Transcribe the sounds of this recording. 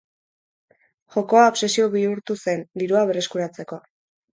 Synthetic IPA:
xo̞ko̞aopse̞sio̞βiuɾt̪use̞nd̪iɾuaβere̞skuɾat͡se̞ko̞

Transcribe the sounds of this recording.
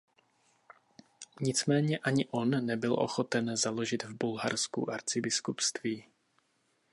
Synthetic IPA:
ɲɪt͡smɛːɲɛʔaɲɪʔo̞nːɛbɪlʔo̞̰xo̞t̪ɛnzalo̞ʒɪd̪vbulɦaɾskṵʔaɾt͡sɪbɪskupst̪viː

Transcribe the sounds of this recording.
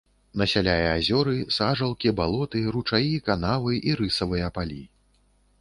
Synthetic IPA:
nɐsʲalʲajɛazʲɔɾɨsaʐɐlˠkʲibalˠɔt̪ɨrut͡ʂajikanavɨʔiɾɨsɐvɨjɐpalʲi

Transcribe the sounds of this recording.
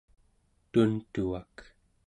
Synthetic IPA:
t̪unt̪uak

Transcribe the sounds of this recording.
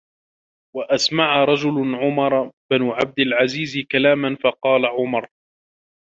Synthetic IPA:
waʔasmaʕaɾˤɑd͡ʒʊlʕʊmɑɾˤbɪnʊʕab̚d̪ɪlʕaziːzɪkalaːmanfɑqɑːlaʕʊmɑɾˤ

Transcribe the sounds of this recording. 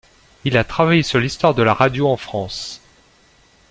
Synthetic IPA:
ilat̪χavajesyʁlist̪waʁd̪əlaʁad̪joɑ̃fχɑ̃s

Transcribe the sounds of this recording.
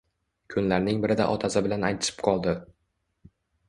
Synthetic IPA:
kʰʊnlaɾnɪŋbɪɾɪd̪a̰ʔɒt̪ʰasɪbɪlanajt̪ʰɪ̥ʃɪ̥pqʰɒlˠd̪ɪ

